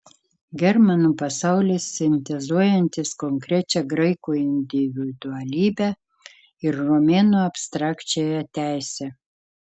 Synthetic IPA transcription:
ɡʲɛɾmɐnuːpɐsɑʊlʲɪsːʲɪnʲt̪ʲɛzuɔjɛnʲt̪ʲɪskɔŋkɾʲɛt͡ʃʲɛɡɾɐɪkuːɪnʲd̪ʲɪʋʲɪd̪ʊɐlʲiːbʲɛ | ɪɾːomʲeːnuːɐpʲst̪ɾɑːkt͡ʃʲejɛt̪ʲæˑɪsʲɛ

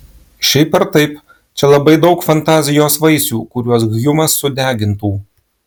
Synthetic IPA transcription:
ʃʲɛɪpɐɾt̪ɐɪp | t͡ʃʲɛlˠɐbɐɪd̪ɐʊkfɐnt̪ɑːzʲɪjoːsʋɐɪsʲuːkʊɾʲuɔs̬ɡjʊmɐsːʊd̪ʲæːɡʲɪnt̪uː

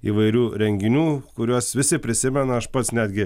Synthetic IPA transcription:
ḭːʋɐɪɾʲuːɾʲɛŋʲɡʲɪnʲuːkʊɾʲuɔsʋʲɪsʲɪpʲɾʲɪsʲɪmʲɛnɐɐʃpɐt̪snʲæd̪ʲɡʲɪ

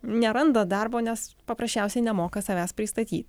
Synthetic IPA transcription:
nʲɛɾɐnd̪ɐd̪ɐrboːnʲɛspɐpɾɐsʲt͡ʃʲɛˑʊsʲɛɪnʲɛmoːkɐsɐʋʲæːspʲɾʲɪst̪ɐt̪ʲḭːt̪ʲ

